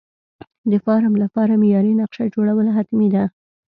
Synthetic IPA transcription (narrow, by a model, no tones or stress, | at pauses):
d̪əfɑɾamlapɑɾamijɑɾinaqʃad͡ʒoɽawəlaɦat̪mid̪a